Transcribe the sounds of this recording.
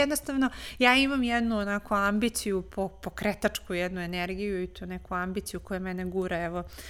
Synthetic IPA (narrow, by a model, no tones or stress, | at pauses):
ɛd̪nost̪aʋno̞jaːimamjɛd̪nuonakoambit̪sijupʰopokɾet̪at͡ʂkujɛd̪nue̞neɾɡijuit̪uːnekuambit̪sijukojemɛneɡuɾeɛʋo